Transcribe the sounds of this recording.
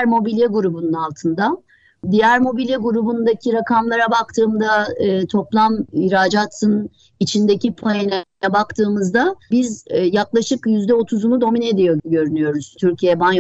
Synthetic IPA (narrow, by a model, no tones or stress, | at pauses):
ɾmo̞bilʲjeɡuɾubununalˠt̪ʰɯnd̪a | d̪ijæɾmo̞bilʲjɛɡuɾubund̪acʰiɾakʰamlˠaɾabak̚t̪ʰɯːmd̪aɯːt̪ʰo̞plˠamiɾaːd͡ʒat̪ʰɯn | it͡ʃʰind̪e̞cipʰojenɛɛbakt̪ʰɯːmɯzd̪abizjaklˠaʃɯkjyzd̪ɛo̞t̪ʰuzumud̪o̞mine̞d̪ijo̞ɟø̞ɾynyjo̞ɾuz̥t̪ʰyɾcʰijeɛban